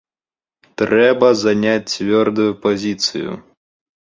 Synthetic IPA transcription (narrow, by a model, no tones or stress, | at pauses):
t̪ɾɛbɐzanʲat͡sʲt͡svʲɔrd̪ujupazʲit̪sɨ̰jṵ